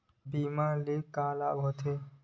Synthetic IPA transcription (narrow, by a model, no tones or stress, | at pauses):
biːmãːleːkːaːlaːbɦɔt̪ʰe